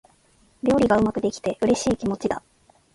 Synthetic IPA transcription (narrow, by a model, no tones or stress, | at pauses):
ɾʲo̞ːɾʲiɡaɯ̟makɯ̟d̪e̞kʲi̥t̪e̞ʔɯ̟ɾe̞ɕiːkʲimo̞t͡ɕid̪a